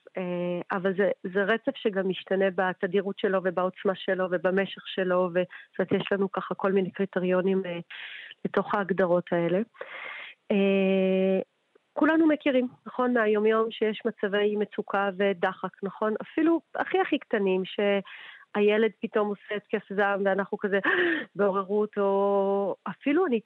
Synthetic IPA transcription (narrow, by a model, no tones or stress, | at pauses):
eavalzezeʁet͡sevʃeɡamiʃtane̞batadiʁutʃe̞lo̞ve̞bao̞t͡smaʃe̞lo̞ve̞bame̞ʃeχʃe̞lo̞ve̞set̪jeʃlanukaχako̞lmine̞kʁiteʁijo̞nimeleto̞χaːɡdaʁo̞tʰae̞le̞ | e | kulanumekiʁimnaχo̞nmeajo̞mjo̞mʃejeʃmat͡save̞jmet͡sukʰavedaχaknaχo̞nafilua̰χiaχiktanimʃe̞ajele̞d̚pito̞moseːt̪kefzamveanaχnukazebeoʁeʁuto̞ | afiluani